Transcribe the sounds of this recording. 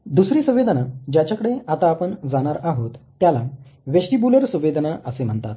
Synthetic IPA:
d̪usɾiːsə̃ʋed̪ʱənad͡ʑjat͡ɕjakəɽeat̪aːpəɳd͡zaɽ̃aɾaɦot̪ːjala | ʋeɕʈibuləɾsə̃ʋːed̪ʱnaʔəsem̤əɳt̪at̪

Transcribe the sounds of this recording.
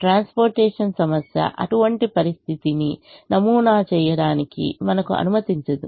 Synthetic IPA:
ʈɾaːnspoːɾʈɛːʂɐnsɐmɐsjɐ̰ʔɐ̰ʈuʋɐɳʈipɐɾist̪ʰit̪ininɐmuːnaːt͡ʃɛːjɐɽaːnikḭmɐnɐkuɐ̰numɐt̪iɲt͡ʃɐd̪u

